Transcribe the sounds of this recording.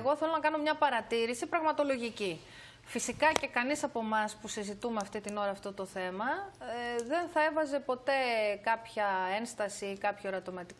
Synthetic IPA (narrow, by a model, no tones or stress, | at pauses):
ɣo̞θelo̞nɐkɐno̞mɲɐpɐɾɐt̪iɾisipɾɐɣmɐt̪o̞lo̞ʝici | fisikɐce̞kɐnisɐpo̞mɐspusizit̪umeɐft̪it̪ino̞ɾɐːft̪o̞t̪o̞θe̞mɐ | ðe̞nθɐe̞vɐze̞po̞t̪e̞kɐpçɐe̞nst̪ɐsikɐpçoɾɐt̪omɐt̪ik